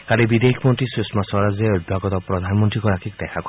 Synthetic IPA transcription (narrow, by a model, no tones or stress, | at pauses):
kalibid̪eɦikʰmɔnt̪isismasɔɾazeojb̪ʱakɔt̪ɔpɾɔd̪ʱanmɔnt̪ɾikɔɾakʰikd̪ɛkʰak